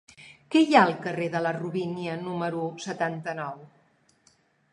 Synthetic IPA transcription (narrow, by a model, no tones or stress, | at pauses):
kɛjaəlˠkəreðələruβiniənuməɾusət̪ant̪ənɔw